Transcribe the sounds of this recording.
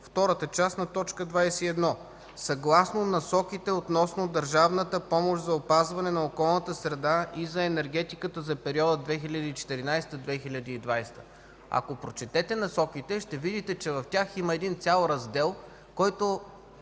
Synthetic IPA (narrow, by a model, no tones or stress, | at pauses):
ft̪ɔɾət̪ət͡ʃasnɐt̪ɔt͡ʃkəd̪vajsɛiɛd̪nɔ | sɐɡlˠasnonɐsɔkit̪ɛot̪nɔsnod̪ɐɾʒavnət̪əpɔmoʃzɐopazvɐnɛnɐokɔlˠnət̪əsɾɛd̪aizɐɛnɛɾɡ̟ɛt̪ikət̪əzɐpɛɾiɔd̪əd̪vɛxiʎʲɐd̪iit͡ʃɛ̥t̪ɛɾinajst̪əd̪vɛxiʎʲɐd̪iid̪vajst̪ə̥ | ɐ̰kopɾot͡ʃɛt̪ɛt̪ɛnɐsɔkit̪ɛʃt̪ɛvid̪it̪ɛt͡ʃɛvɐft̪ʲaximɐɛd̪int̪sʲjalˠɾɐzd̪ɛlˠ | kɔjt̪o